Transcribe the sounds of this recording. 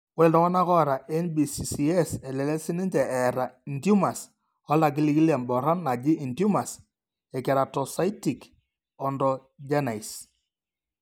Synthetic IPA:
wɛ˦˨ldɔ˦ŋɔ˦na˦kɔ˦˨ɾa˨ʔɛ˦nbi˨si˨si˨ɛ˦sɛ˨lɛ˨lɛ˦sɪ˦nɪ˦ɲd͡ʒɛ˨ɛ˨ɾa˨i˨ndju˦ma˨s | ɔ˦la˨k̬i˦li˦ki˦la˨mbɔ˨ɾɔ˦nːa˨d͡ʒi˦i˨ndju˦ma˨s | ɛ˨kɛ˨ɾa˨tɔ˨sa˦jti˨k | ɔ˨ndɔ˨ | d͡ʒa˦na˨i˨s

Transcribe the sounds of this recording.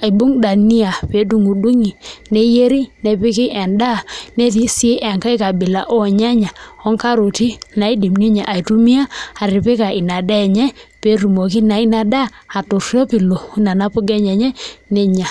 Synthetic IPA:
a˨i˨bu˦ŋda˨ni˦a˨pe˨˦du˨ŋu˨du˦ŋi˨ne˦je˦ɾi˦nɛ˨pɪ˦ki˦ʔɛ˨nda˦˨ne˦ti˦si˦e˦ʔɛ˨ŋka˦i˦ka˨bɪ˨la̰˨˦ʔɔ˦˨ɲa˦ɲa˨ɔ˦ŋka˦ɾo˨ti˦na˨˦i˦di˨mni˦ɲa˨ʔa˨i˨tu˦mi˦a˦a˨ɾi˨pe˦ka˨ʔi˨na˨da˦˨ɲɛ˦pe˨˦ɾu˨mo˨ki˦na˨i˦na˨daː˦˨to˨ɾʃɔ˦pi˨lo˨na˨na˦pu˦ɡɛ˦ɲɛ˨ɲɛ˦ne˦ɲa˨

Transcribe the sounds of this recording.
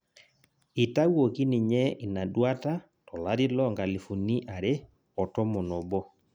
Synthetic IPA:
i˨ta˦ɣwo˨ki˦ni˨ɲɛ˦ʔi˨na˨ɗwa˦ta˦ | tɔ˨la˦ɾi˦lɔ˦ŋɡa˨li˨fu˨ni˦ʔa˨ɾe˦ | ɔ˨tɔ˦mo˨nɔ˨bɔ˦

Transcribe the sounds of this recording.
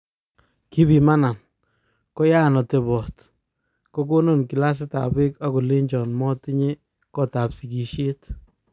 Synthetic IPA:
ki˦bi˨ma˦na˨n | kɔ˦ja˦nɔ˨te˨bɔ˨t | kɔ˦ko˦no˦˨nki˨la˦s̬ɪ˦ta̰˨be˦ka˦ko˨le˦ɲd͡ʒɔ˨nmɔ˦tɪ˦ɲe˦ | kɔ˦ta˨psi˨ki˨ʃje˦t

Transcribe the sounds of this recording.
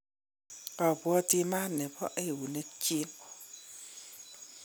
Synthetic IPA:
ɔ˨bwɔ˦ti˦ma˦nːɛ˨bɔ̰˦ʔe˦˨wu˨ne˦t͡ʃi˦n

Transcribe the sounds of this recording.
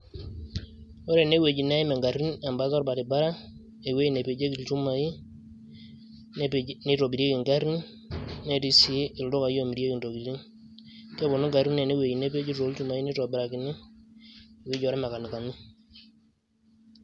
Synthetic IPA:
wo˦ɾe˨ne˦we˨d͡ʒi˨na˦i˦me˨ŋɡa˨ɾi˦na˨mba˦tɔ˦ɾba˨ti˨ba˦ɾa˦ | e˨we˦i˦ne˨pe˨d͡ʒe˦ki˨lt͡ʃu˦ma˨ji˦ | ni˦ɾo˨bi˨ɾje˦ki˨ŋɡa˦ɾi˦nː | e˦ti˦si˦ʔɪ˨ldo˦ka˨jo˦˨mi˨ɾje˦ki˨nto˨ɡi˨ɾi˦n | kɛ˦bo˨no˦ŋɡa˨ɾi˦ne˨ne˦we˨d͡ʒi˨ne˦p̬e˦d͡ʒi˦ɾo˨˦lt͡ʃu˦ma˨i˦ne˦ɾɔ˨bɪɾa˨ki˨nɪ˦ | e˨we˦d͡ʒɔ˨ɾɛ˦ma˨ka˨n˨ka˨ni˦

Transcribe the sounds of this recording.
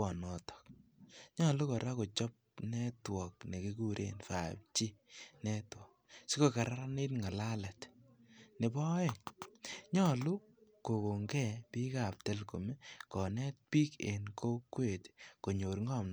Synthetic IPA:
ɔ˨nɔ˨tɔ̥k̚ɲɔ˦lu˦kɔ˨ɾa˦ko˨t͡ʃɔ˦p̚nɛ˦twɔ˨kne˨ki˦ku˦ɾʔḛ˦nfa̰˨p̚t͡ʃi˦nɛ˦twɔ˨k̚si˦ko˦ka˨ɾa˦ɾa˦ne˦tŋa˨la˦lɛ˨t | ne˨bɔ˦e˨nɲɔ˦lu˦ | ko˨ko˨ŋɡɛ˦pi˦ka˨p̚te˦lko˨me˦kɔ˨nɛ˦t̚pi˦ke˨nkʰo˦kwe˦˨tko˨ɲo˨ɾŋɔ˦˨mn˦

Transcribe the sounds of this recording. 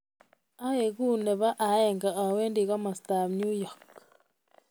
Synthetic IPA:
a˦e˨ɣu˦ne˨βa˦ʔa˨ɛ˨ŋɡa˨ʔa˨we˦ndi˨ɣɔ˦ma˨sta˨mnju˦jɔ˨k

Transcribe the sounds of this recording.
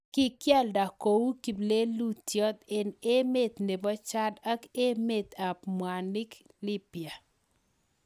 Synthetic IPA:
kɪ˦kja˦lda˨ko˨wu˦ki˨ble˦lu˦tjɔ˦t̪e˨ne˦me˨t̪ne˨bɔ˦t͡ʃa˦da˦ke˦me˨t̪a˨pmwa˨nɪ˦k | lɪ˦pja˨

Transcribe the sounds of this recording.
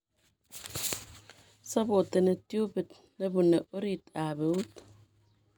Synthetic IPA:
sa˦bo˨te˨ne˨tju˦be˨t | ne˦bu˨ne˨ʔo˦ɾi˦˨ta˨be˨u˦t

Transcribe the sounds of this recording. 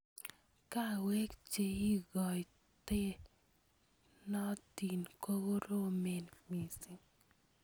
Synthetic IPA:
ka˦˨wɛ˦kt͡ʃe˨i˦ɡɔ˨j | t̪e˦ | nɔ˦t̪i˨nko˦ɡo˦ɾo˦me˨nmi˨si˨ŋ

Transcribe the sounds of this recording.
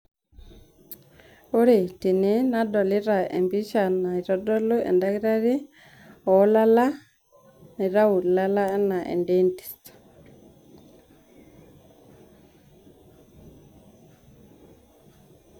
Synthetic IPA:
u˦ɾi˨ti˨ni˦na˦dɔ˨li˦ɾa˨ɛ̰˨mbi˦ʃa˨na˨i˨ɾɔ˦dɔ˦lu˦ʔɛ̰˨ndaki˦ɾa˦ɾi˦ | ɔ˦la˦la˦ | ni˨ɾa˦u˨la˦la˦ɛ˦na˨ʔḛ˨ndɛnti̥˨st

